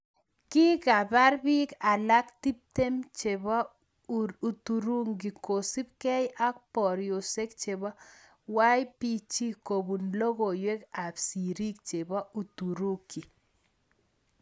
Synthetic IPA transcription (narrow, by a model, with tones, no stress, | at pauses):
ki˦ka˨ba˦ɾbi˦ka˨la˦kti˦p̚te˦mt͡ʃe˨βɔ˦ | u˨tu˨ɾu˦ŋɡi˨ko˨si˦p̚kɛ˦jʔa˦k̚pɔ˨ɾjo˨se˦k̚t͡ʃe˨βɔ˦ | wa˦jpi˦t͡ʃi˦ko˨bu˨nlo˦ɣo˨jwe˦ka˨psi˨ɾi˦k̚t͡ʃe˨bɔ˦ʔu˨tu˨ɾu˦ki˨